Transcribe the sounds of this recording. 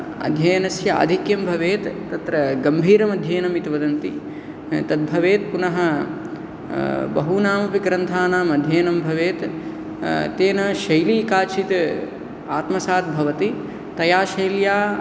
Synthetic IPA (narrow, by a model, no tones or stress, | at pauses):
ɐ̰d̪ʱjɐjɐnɐsjɐa̰ːd̪ʱikjɐmbʱɐʋeːt̪ːɐt̪ɾɐɡɐmbʱiːɾɐmɐd̪ʱjeːnɐmit̪ʋɐd̪ɐnt̪i | t̪ɐd̪̚bʱɐʋeːt̪̚punɐɦɐ | bɐɦunaːmɐpikɾɐnt̪ʰaːnaːmɐd̪ʱjeːnɐmbʱɐʋeːt̪ | t̪eːnɐʃɐjliːkaːt͡ʃʰit̪ | aːt̪mɐsaːt̪̚bʱɐʋɐt̪i | t̪ɐjaːʃɐjljaː